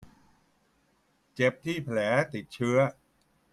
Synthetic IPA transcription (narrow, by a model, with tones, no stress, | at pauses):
t͡ɕe˨˩p̚t̪ʰiː˥˩pʰlɛː˩˦t̪i˨˩t̪̚t͡ɕʰɯ˦˥ɐ